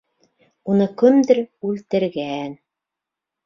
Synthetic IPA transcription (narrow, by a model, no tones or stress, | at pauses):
unɤkɵmd̪ɘɾʉlt̪ɘ̆ɾɡæn